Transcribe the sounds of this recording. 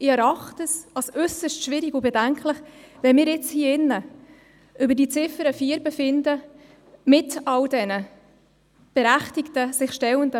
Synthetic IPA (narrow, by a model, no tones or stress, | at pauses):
ɪɛɾɑχtəsɑlsʏsəstʃʋɪɾikʊbɛdæŋkʰlɪχʋɛnmɪːɾɪt͡shiːɪnːə | ʔʏbədit͡sɪfəɾəfiːɾbəfɪndə | mɪtɑldɛnə | b̥ɛɾæχtɪktəsɪχʃtɛwəndə